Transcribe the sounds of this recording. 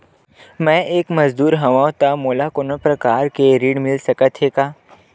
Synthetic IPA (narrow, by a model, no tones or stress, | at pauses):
mɛ̃ːʔeːkmɐzd̪uːɾɦɐʋãːõt̪amoːlakonopɾɐkaːɾkeɾiːɽmɪlsɐkət̪ʰɦeːkaː